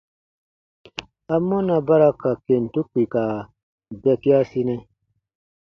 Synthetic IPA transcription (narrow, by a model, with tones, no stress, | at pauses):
a˨mːɔ˦na˨ba˦ɾa˦ka˨ke˨n˨tu˦k͡pi˨ka˨ | bɛ˦ki˦a˦si˦nɛ˦